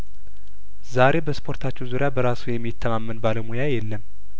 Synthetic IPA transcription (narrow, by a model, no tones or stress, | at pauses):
zaɾe̞bəspʰo̞ɾt̪ʰat͡ʃːɛwzuɾɪjabəɾasujɛmːit̪ʰːəmamːɨnbaləwmojajɛlːəm